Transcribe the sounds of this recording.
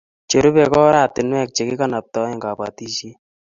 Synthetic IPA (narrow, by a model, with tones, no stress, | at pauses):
t͡ʃe˨ɾu˦pɛ˨kɔ˦ɾa˨tɪ˨nwɛ˦˨k̚t͡ʃe˨ki˦ka˦na˨p̚tɔ˦ɪ˦ŋɡa˨pa̰˨ti˦ʃi˦